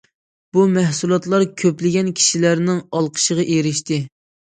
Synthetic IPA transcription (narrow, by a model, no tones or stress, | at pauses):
b̥umæhsulˠɑt̪lˠɑɾkʲʰøplɪɡʲɛnkʲʰi̥ʃilæɾnɪŋɑlˠqʰə̥ʃəʁɑʔeɾɪʃt̪ɪ